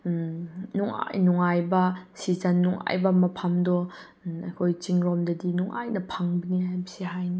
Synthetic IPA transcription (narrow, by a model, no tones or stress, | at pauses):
nuŋa̰jnuŋajbɐsizɐnːuŋa̰jbɐmɐpʰamdɔ | ɐjkʰojt͡ʃiŋɾɔmdɐdinuŋʔa̰jnɐpʰaŋbɐnihajbɐsiɦajni